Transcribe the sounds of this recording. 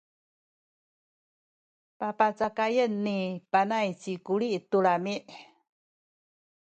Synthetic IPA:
papat͡sakajənːipanajt͡ɕikuɭiʔtuɭamiʔ

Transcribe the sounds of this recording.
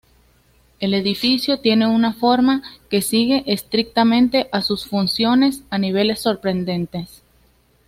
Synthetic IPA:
e̞le̞ðifisjo̞t̪je̞ne̞unafo̞ɾmake̞siɣe̞ʔest̪ɾik̚t̪amẽ̞nt̪e̞ʔasusfunsjo̞ne̞saniβ̞e̞le̞sːo̞ɾpɾe̞nd̪e̞nt̪e̞s

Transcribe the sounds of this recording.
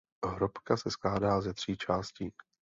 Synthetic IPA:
ɦɾopkasɛsklaːdaːzɛt̪r̝̥iːt͡ʃaːsciː

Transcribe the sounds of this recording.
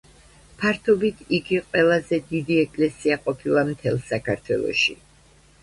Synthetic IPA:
pʰaɾt̪ʰɔbit̪ʰiɡiqʼwɛlˠazɛd̪id̪iɛkʼlɛsiaqʼɔpʰilˠamt̪ʰɛlˠsakʰaɾt̪ʰwɛ̰lˠɔ̰ʃḭ

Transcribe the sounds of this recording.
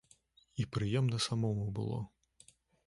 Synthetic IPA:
ipɾɨjɛmnɐsamɔmubɨ̰lˠɔ̰

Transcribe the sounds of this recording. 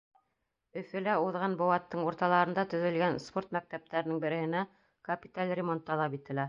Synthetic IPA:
ɵ̆fɵ̆læuðʁɑnbŏwɑt̪ːɤɴuɾt̪ɑlˠɑɾɤ̆nd̪ɑt̪ɵ̆ðɵ̆lɡænspo̞rt̪mæk̚t̪æp̚t̪æɾɘ̆nɘŋbɘ̆ɾɘ̆hɘ̆næ | kɐpʲit̪alʲrʲɪmo̞nt̪ːɑlˠɑpit̪ɘ̆læ

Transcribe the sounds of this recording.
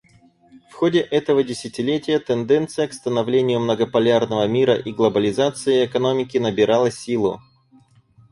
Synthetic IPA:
fxodʲɪʔɛt̪əvədʲɪsʲɪtʲɪlʲetʲɪjət̪ɛnd̪ɛnt̪sɨjəkst̪ənɐvlʲenʲɪjʊmnəɡəpɐlʲarnəvəmʲiɾəʔiɡlˠəbəlʲɪzat̪sɨɪɛkɐno̞mʲɪkʲɪnəbʲɪɾalˠəsʲilˠʊ̰

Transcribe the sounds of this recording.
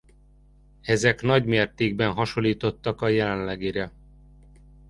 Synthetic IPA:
ɛzɛkn̪ɒɟmeːrt̪eːɡbɛnɦɒʃo̞lːiːt̪o̞t̪ːɒkɒjɛlɛnlɛɡiɾɛ

